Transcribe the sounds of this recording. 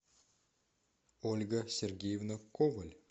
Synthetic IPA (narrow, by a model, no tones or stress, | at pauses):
olʲɡəsʲerɡʲejevnəkovɐlʲ